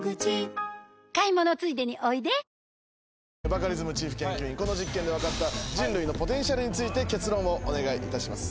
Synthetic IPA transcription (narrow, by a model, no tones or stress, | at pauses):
ɡɯi | kaimonot͡sɨid̪e̞ɲ̟iʔoid̪e̞ | bakaɾʲizɨmɯ̟t͡ɕiːɸɯ̟̥kẽ̞ŋkʲɨːĩŋko̞noʑikːẽnd̪eakat̪ːad͡ʑĩnɾɯ̟ino̞po̞t̪ẽ̞ɰ̃ɕaɾɯ̟ɲ̟it͡sɨit̪e̞ke̞t͡sɨɾõ̞o̞ʔone̞ɡaiʔit̪aɕimasɨ̥